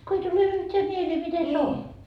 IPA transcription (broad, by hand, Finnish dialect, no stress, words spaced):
ko ei tule yhtʲeæ mieleː mite se on